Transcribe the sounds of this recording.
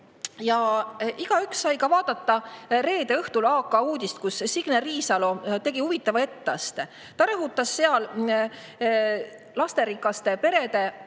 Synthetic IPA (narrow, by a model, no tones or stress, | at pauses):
jɑʔiɡ̥ɑyksːɑjkɑvɑːd̪̥ɑt̪ːɑre̞ːd̪̥e̞ɤht̪ulɑːkːˑɑuːd̪ist̪̚kussiɡ̥neriːsɑlo̞t̪e̞ɡ̥ihuvit̪ːˑɑvɑe̞t̪ːɑst̪ | t̪ɑɾɤɦut̪ːˑɑsːeɑl | lɑst̪e̞ɾikːˑɑst̪e̞pe̞ɾe̞d̪e̞